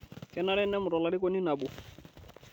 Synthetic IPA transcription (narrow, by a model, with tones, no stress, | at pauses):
kɛ˦na˦ɾɛ˦nɛ˦mʊ˨ɾɔ˨la˨ɾɪ˦kɔ˦ni˦na˨bu˨